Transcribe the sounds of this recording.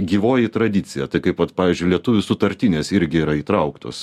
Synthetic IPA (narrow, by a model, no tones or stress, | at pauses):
ɡʲiːʋoːjɪt̪ɾɐd̪ʲɪt̪sʲɪjɛt̪ɐɪkɐɪpʋɐt̪pɑːʋʲizʲd͡ʒʲʊlʲiɛt̪ʊʋʲʊsʊt̪ɐɾʲt̪ʲɪnʲeːsɪɾʲɡʲɪiːɾɐiːt̪ɾɐʊkt̪o̰ːs